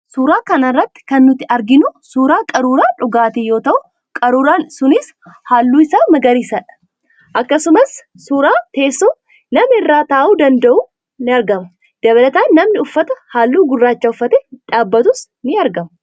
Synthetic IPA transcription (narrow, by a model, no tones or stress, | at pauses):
suːɾaːkɐnɐrːɐt̪ːɪ̥kɐnːʊt̪ːɪɐɾɡɪnʊsuːɾaːkʼɐɾuːɾaːᶑʊɡaːt̪ɪjo̞ːt̪ɐʔʊ | kʼɐɾuːɾaːnsʊnɪs | haːlːuːɪsaːmɐɡɐɾiːsɐᶑɐ̥ | ʔɐkːɐsʊmɐs | suɾaːt̪e̞ːsːoː | nɐmɪrːaːt̪aːʔuːd̪ɐnd̪ɐʔuː | nɪɐɾɡɐmɐ | d̪̥ɐbɐlɐt̪aːnːɐmnɪʊfːɐt̪ɐhaːlːuːɡʊrːaːt͡ʃːaːʊfːɐt̪ɛᶑaːbːɐt̪ʊs | nɪɐɾɡɐm